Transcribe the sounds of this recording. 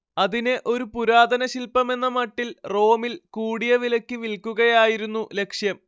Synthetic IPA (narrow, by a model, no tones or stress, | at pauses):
ɐðineʔo̞ɾupuɾaːd̪ɐnɐɕilpɐme̞nːɐmɐʈːilro̞ːmilkuːɽijɐʋilɐkʲːɨʋilkːuɣɐjaːjiɾunːule̞kʂjɐm